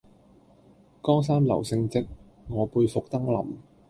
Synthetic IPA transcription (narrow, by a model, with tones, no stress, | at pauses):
kɔː˥ŋs̬aː˥mlɐ̰˨˩wsɪ˧ŋt͡sɪ˥k̚ | ŋɔː˨˧puː˧jfʊ˨k̚t̪ɐ˥ŋlɐ̰˨˩m